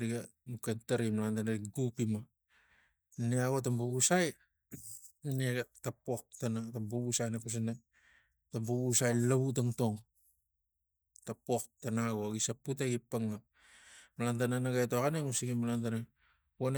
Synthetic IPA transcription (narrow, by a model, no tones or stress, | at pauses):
ɾiɡanukataɾimalantanaɾiɡupima | neaɡotambaβusaj | neatapok̚tanatambaβusajnapas̬ina | tambaβusajlaβut̬aŋto̞ŋ | tapok̚tanaɡoaɡisaputaɡipːaŋa | malantananaɡajtokaneŋusiɡimalant̬ana | won